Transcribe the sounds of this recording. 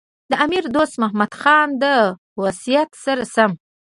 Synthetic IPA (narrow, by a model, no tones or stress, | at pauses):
d̪əʔamiɾd̪ost̪mahmad̪xɑnd̪ə | wasijat̪saɾasam